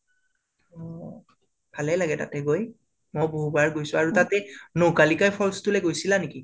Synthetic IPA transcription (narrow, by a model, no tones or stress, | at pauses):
ɔ | bʱalɛlaɡɛta̰tɛɡoj | mɔjboɦubaɹɡojsʊaɹutatɛnokalikajpʰɔlstulɛɡojsilaneki